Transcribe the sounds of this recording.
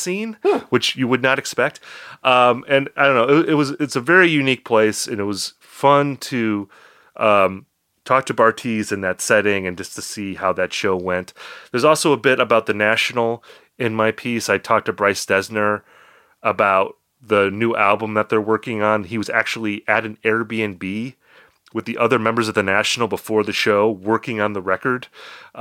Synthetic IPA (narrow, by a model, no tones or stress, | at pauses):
sĩnwɨt͡ʃjɨwɨdⁿnəɾɨkspɛk̚t̚ʔʌ̃mɨ̃naɪdõʊ̃noʊɪt̚wɪt̚wʌzɪtsɨvɛɹijʉnik̚pʰl̥eɪsɨ̃nɨt̚wʌz̥ | fʌ̃ntʰɨ | ʔʌ̃m | tʰɔk̚tʰɨbɑɹtʰizɨ̃nðɨtsɛɾɪ̃ŋɨ̃nd͡ʒʌstʰɨsihaʊðɨtʃoʊwɛ̃nt̪ðə˞zɔlˠsoʊəbɪɾəbaʊt̪̚ðɨnæʃn̩l̩ˠ | ɪ̃nmaɪpʰisaɪtʰɔk̚tʰɨbɹaɪsd̥ɛznə˞ | əbaʊt̪̚ | ðɨnʉʔæ̰lˠbə̃mðət̪̚ðə˞wɜ˞kɪ̃ŋə̃niwʌzæk̚t͡ʃul̩ˠiʔɨɾɨ̃n̩ɛɹbiɨ̃nbi | wɨðiʔʌðə˞mɛ̃mbə˞zʌvðɨnæʃn̩l̩ˠbəfɔɹðɨʃoʊwɜ˞kɪ̃ŋə̃nðəɹɛkə˞d̥